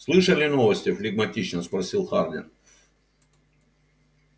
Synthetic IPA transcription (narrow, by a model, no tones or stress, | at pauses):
slˠɨʂəlʲɪnovəsʲtʲɪflʲɪɡmɐtʲit͡ɕnəspɾɐsʲilˠxarmʲɪ̰r